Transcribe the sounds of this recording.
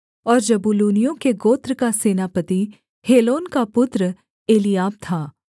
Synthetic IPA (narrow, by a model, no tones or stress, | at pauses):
ɔːɾd͡ʒɐbuluːnijõkeɡoːt̪ɾəkaseːnapət̪i | heːloːnkapʊt̪ɾə | eːlijaːb̚t̪ʰaː